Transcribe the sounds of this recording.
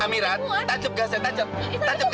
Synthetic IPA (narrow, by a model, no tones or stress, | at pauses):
amiɾat̪̚t̪ːad͡ʒʊp̚ɡ̥a̤sɛt̪ad͡ʒʊp̚t̪ad͡ʒʊp̚ɡ